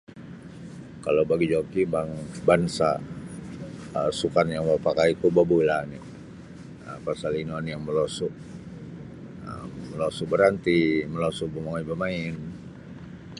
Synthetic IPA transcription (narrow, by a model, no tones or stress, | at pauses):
kalawbaɡid͡ʒokibaŋbansa̰ | əsukanjaŋbapakait̪ubabulani | əpasalinɔnjaŋməlɔsuʔ | ə̰ːəlɔsubəɾant̪iməlɔsuʔ̚bəmaŋaibamaɪn